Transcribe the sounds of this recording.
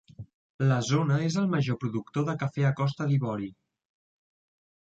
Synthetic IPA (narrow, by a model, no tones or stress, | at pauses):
ləzonəezəlˠməʒopɾuðukt̪oðəkəfɛəkɔst̪əðiβɔɾi